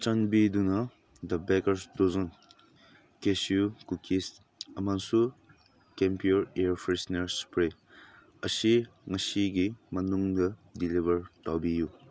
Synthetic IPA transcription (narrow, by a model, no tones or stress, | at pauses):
t͡ʃanbid̪unɐ | d̪ɐbɛkɐɾsdozɔn | kesjukukis | ɐmansu | kɛmpijuɾeɾpʰɾisneɾspɾe | əsiŋɐsiɡimɐnuŋdɐdilibɐɹtawbiju